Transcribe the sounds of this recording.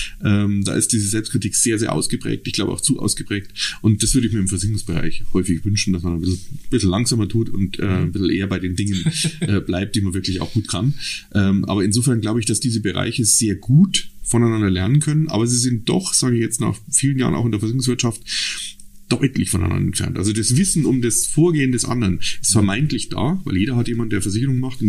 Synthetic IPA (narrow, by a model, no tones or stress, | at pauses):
ʔɛːmd̥a̰ːʔɪst̚d̥iːzəzɛlpstkʰʁ̥ɪtʰiːkz̥eːɐzeːɐʔa̰ʊsɡ̥əpʁ̥ɛ̰ːk̚tɪçɡ̥laʊbəaʊt͡suːʔa̰ʊsɡ̥əpʁ̥ɛːk̚tʔʊnt̚d̥asv̥ʏɐɾəɪçmiːɐɪmfɛɐzʏɡʊŋsb̥əʁa̰ɪçhɔʏfɪçv̥ʏnʃn̩d̥asmanabɪsl̩b̥ɪsl̩lːaŋz̥aːmɐtʰuːtʊ̰ntʔɛːbɪsl̩ʔḛːɐbaɪdeːndɪŋənʔɛːblaɪp̚t̚d̥iːmanvɪɐklɪça̰ʊxɡ̥uːtkʰanʔɛːmʔa̰ːbɐɪnzoːfɛɐnɡlaʊbəɪçd̥asd̥iːzəbəʁa̰ɪçəz̥eːɐɡuːtfɔnaɪnandɐlɛɐnənkʰœnənʔa̰ːbɐziːzɪnt̚d̥ɔ̰χz̥aːɡəɪçjɛt͡stna̰ːχfiːlənja̰ːʁə̰nʔaʊxɪndeɐfɐzɪçʊŋsv̥ɪɐtʃaft | d̥ɔχʔɛtlɪçfɔnʔa̰ɪna̰ndɐɛ̰ntfɛ̰ɐntʔa̰lzodasvɪsn̩ʊmdasfoːɐɡeːəndɛsʔa̰ndəənɪstfɛɐmaɪntlɪçd̥a̰ːvaɪljeːɾɐɦatjeːmandeːɐfɛɐzɪçəʁʊŋmaχtʊn